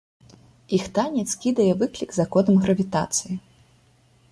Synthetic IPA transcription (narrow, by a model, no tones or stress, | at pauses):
ixt̪anʲɛt̪skʲid̪ɐjɛvɨklʲiɡzakɔd̪ɐmɣɾɐvʲit̪a̰t̪sɨji